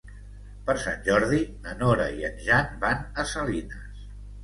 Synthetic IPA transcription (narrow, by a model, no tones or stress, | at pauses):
pəɾsa̰nʲʒɔɾðinənoɾə̰iənʲʒanbanəsəlinə̰s